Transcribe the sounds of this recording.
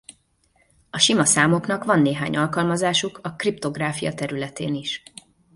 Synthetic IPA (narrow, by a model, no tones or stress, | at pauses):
ɒʃimɒsaːmo̞knɒkʋɒnːeːɦaːɲɒlkɒlmɒzaːʃukʰɒkript̪o̞ɡraːfijɒ̰t̪ɛɾylɛt̪ḛːniʃ